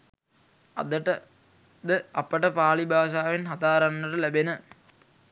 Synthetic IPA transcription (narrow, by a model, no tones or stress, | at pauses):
d̪ʈ | d̪əɐpəʈəpaːlibʱaːʃ̬aːʋenɦɐt̪aːɾanːəʈəlæbenə